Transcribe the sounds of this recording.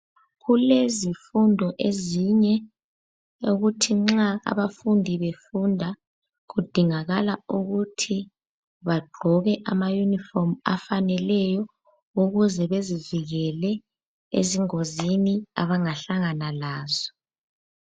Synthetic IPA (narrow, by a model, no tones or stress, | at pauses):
ɣulezifundʱɔʔeziɲɛ | oɣutʰiŋ͡ǁaa̰βafundʱiβefundʱa | ɣud̥ʱiŋaɣalauɣutʰi | βaɡ͡ǃʱɔɣɛʔamajunifɔma̰fanɛlɛjɔ | uɣuzɛβeziviɣɛlɛ | ḛziŋozinia̰βaŋaɬaŋanalaːzɔ